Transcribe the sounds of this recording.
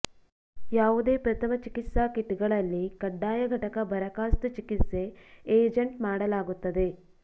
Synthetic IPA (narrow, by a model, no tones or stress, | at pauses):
jaːʋud̪e̞ːpɾɐt̪ʰɐmɐt͡ʃikit̪saːkiʈːɡɐɭɐlːikɐɖːaːjɐɡʱɐʈɐkɐbʱɐɾɐkaːst̪ut͡ʃikit̪se̞ːeːd͡ʒeɳʈmaːɽɐlaːɡut̪ːɐd̪e